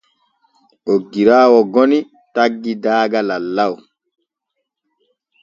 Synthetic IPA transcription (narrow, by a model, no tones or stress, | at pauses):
ʔoɡːiɾaːwɔɡɔni | taɡːidaːɡalalːaw